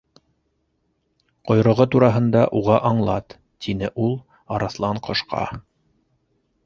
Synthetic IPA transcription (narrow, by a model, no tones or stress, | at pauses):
qŏjɾŏʁɤt̪uɾɑɦɤ̆nd̪ɑʔuʁɑʔɑɴlˠɑt̪ː | inɘʔulˠ | ɑɾɑθlˠɑɴqŏʃqɑ̰